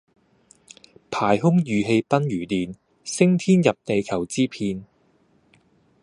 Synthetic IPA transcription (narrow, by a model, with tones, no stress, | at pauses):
pʰaː˨˩jɦʊ˥ŋjyː˨ɦe˧jpɐ˥njyː˨˩t̪iː˨n | sɪ˥ŋt̪ʰiː˥njɐ˨p̚t̪e˨jkʰɐ˨˩wt͡siː˥pʰiː˧n